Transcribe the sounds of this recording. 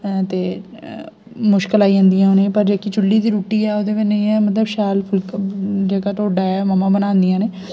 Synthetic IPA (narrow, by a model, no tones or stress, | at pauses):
t̪eː | mʊʃkəlaːiːə̃ːnd̪ijãːoːnẽːpəɾd͡ʒeːkit͡ʃʊlːiːd̪iːɾuːʈːiːɛːoːd̪eːʋɪd͡ʒnə̃ĩːɛːmət̪̬ləbʃaːlpʰʊlkd͡ʒeːkaːʈ̪oːɖaːɛːməmãːbənãːnd̪ijãːneː